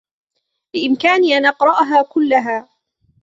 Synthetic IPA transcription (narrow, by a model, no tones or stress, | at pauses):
lɪʔɪmkaːniːʔanʔɑqɾˤɑʔaɦaːkʊlːaɦaː